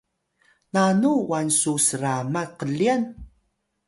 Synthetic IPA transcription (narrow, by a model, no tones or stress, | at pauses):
nanuwansusəɾamaqəɮian